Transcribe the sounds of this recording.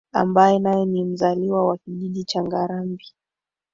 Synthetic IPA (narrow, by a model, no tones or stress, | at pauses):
a̰mbajɛnajɛnim̩zaliwawakiʄiɗit͡ʃaŋɡaɾambi